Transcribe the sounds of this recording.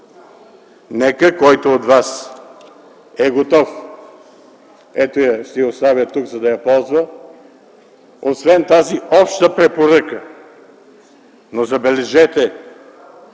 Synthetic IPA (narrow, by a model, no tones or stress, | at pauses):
nɛkəkɔjt̪oot̪vas | ɛɡot̪ɔf | ɛt̪ojɐʃt̪ɛjost̪avʲjət̪uɡzɐd̪ɐjɐpɔlˠzvə | osvɛnt̪aziʔɔpʃt̪əpɾɛpoɾəkə | nozɐbɛlɛʒɛt̪ɛ